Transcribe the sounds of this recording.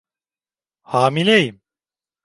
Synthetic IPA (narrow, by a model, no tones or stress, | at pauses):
haːmilʲejim